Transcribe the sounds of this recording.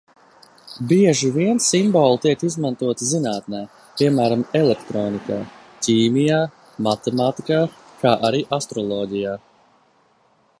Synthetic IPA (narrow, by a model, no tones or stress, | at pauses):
biɛʒiviɛnsimbɔːlˠt̪iɛkizmant̪uɔt̪izinaːt̪naː | piɛmæːɾamɛlɛkt̪ɾoːnikaː | cʲiːmijaː | mat̪ɛmaːt̪ikaː | kaːʔaɾiːʔast̪ɾɔlˠɔːɟijaː